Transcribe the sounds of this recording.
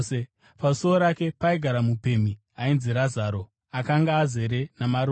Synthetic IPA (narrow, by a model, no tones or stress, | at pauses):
e | pausooɾake̞paiɡʱaɾamupe̞m̤i | ainziɾazaːɾo̞ | akaŋɡaːze̞ɾe̞namaɾo